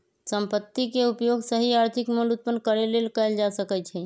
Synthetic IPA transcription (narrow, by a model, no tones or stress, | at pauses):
səmpət̪ːikeupjoɡsəɦiaɾt̪ʰikmolut̪̚pənkəɾelelkəjld͡ʒasəkɛt͡ʃʰɛ